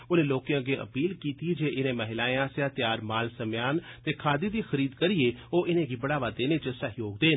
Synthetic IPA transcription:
ʊnẽːloːkjãːɡeːʔə̰piːlkiːt̪iːd͡ʒeːɪnẽːməɦɪlaːẽãːsjãːt̪ɪjaːɾmaːlsəmjaːnt̪eːkʰaːd̪iːd̪iːxəɾiːd̪kəɾieːoːʔɪnẽːɡiːbəɽaːʋaːd̪eːneːt͡ʃəsəɦjoːɡd̪eːn

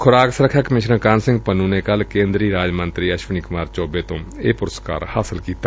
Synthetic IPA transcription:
kʰʊɾaːksɾəkʰakmɪʃnə̃kãːnsɪ̃ŋɡpənuːnekəlkẽːnd̪ɾiːɾaːd͡ʒmə̃nt̪ɾiːəʃʋənikʊmaːɾt͡ʃɔːbeːt̪õːeːpʊɾəska̰ːɾhaːsɪlkiːt̪a

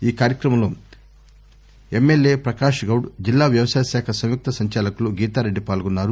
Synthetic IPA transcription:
iːkaːɾjɐkɾɐmɐmloː | emːelje̞ːpɾɐkaːʂɡɐwɽd͡ʒilːaːʋjɐʋɐsaːjɐsɛːkʰɐsɐmjuk̚t̪ɐsɐɲt͡ʃaːlɐkuluɡiːt̪aːɾeɖːipaːlɡunːaːɾu

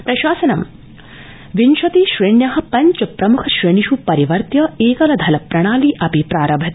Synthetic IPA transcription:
pɾɐʃaːsɐnɐm | ʋinʃɐt̪iʃɾeɳjɐɦɐ̆pɐɲt͡ʃɐpɾɐmukʰɐʃɾeɳiʃupɐɾiʋɐɾt̪jɐeːkɐlɐd̪ʱɐlɐpɾɐɳaːliːʔɐpipɾaːɾɐbʱɐt̪

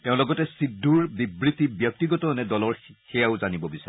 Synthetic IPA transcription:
tɛʊ̃lɔɡɔtɛsidʱːuɹbibɹitibjɔk̚tiɡɔtɔnɛdɔlɔɹxɛjaʊzanibɔbisaɹɛ

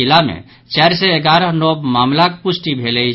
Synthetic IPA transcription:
ilamḛ̃ | t͡ʃɛːɾseeɡaːɾəɦnobmaːmlakpʊsʈibʱeːlei

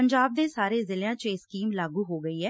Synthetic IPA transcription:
əɲd͡ʒaːb̚d̪eːsaːɾeːzɪljãːt͡ʃːskiːmlaːɡuːɦoːɡəiːɦɛː

